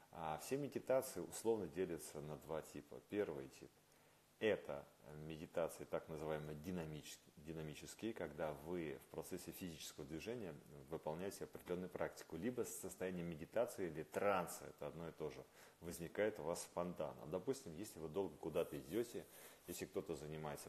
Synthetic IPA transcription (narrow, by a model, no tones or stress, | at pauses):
afsʲemʲɪdʲɪt̪at̪sɨjɪʊslˠo̞vnədʲelʲɪt̪sənɐd̪vatʲipə̰pʲe̞rvɨjtʲip | ɛt̪ə̰mʲɪdʲɪt̪at̪sɨət̪aknəzɨvajɪməjədʲɪnɐmʲidʲɪnɐmʲit͡ɕɪskʲɪjkɐɡd̪avɨfpɾɐt̪sɛsʲːɪfʲɪzʲit͡ɕɪ̥skəvəd̪vʲɪʐɛnʲɪjəvɨpɐlˠnʲæjɪtʲɪɐpɾʲɪdʲɪlʲo̞nːʊjʊpɾʔak̚tʲɪ̥kʊlʲibəsːəst̪ɐjænʲɪjəmʲɪdʲɪt̪at̪sɨɪilʲɪt̪ɾant̪sɨɛ̰t̪əɐd̪no̞ɪt̪o̞ʐɨ | vəzʲnʲɪkajɪt̪ʊvasfɐnt̪a̰nə̰d̪ɐpusʲtʲɪmjesʲlʲɪvɨd̪o̞lˠɡəkʊd̪at̪əɪdʲotʲɪjesʲlʲɪkt̪o̞t̪əzənʲɪmajɪt̪sə